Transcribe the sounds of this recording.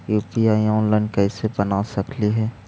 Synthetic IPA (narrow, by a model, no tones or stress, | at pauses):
juːpiaːiɔ̃ːnlaːɪnkɛɪsebɐnasɐkʰliɦɛː